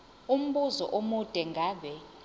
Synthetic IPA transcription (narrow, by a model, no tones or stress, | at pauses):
um̩ɓuzɔ̰ʔomud̥ʱʼɛŋɡʱaːɓɛ